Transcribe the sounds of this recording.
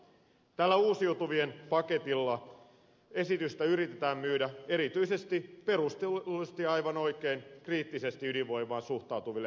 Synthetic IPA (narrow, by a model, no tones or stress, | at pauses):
t̪ælːæuːsijut̪uʋienpɑke̞t̪ilːɑ | e̞sit̪yst̪æyɾit̪et̪æːmmyːdæe̞ɾit̪yisest̪ipe̞rust̪elest̪iɑjʋɑno̞ikeiŋkriːt̪ːise̞st̪iydiʋʋo̞jmˑɑːnsuht̪ɑut̪uʋilːe